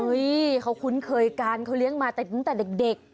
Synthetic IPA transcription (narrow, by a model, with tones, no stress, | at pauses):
ɤ˦˥jkʰa˧˥wkʰu˧˦˥nkʰɤː˧jkaː˧nkʰa˧˥wli˦˥əŋmaː˧t̪ɛ˨˩t̪ɯ˧˦ŋt̪ɛː˨˩de˨˩k̚de˨˩k̚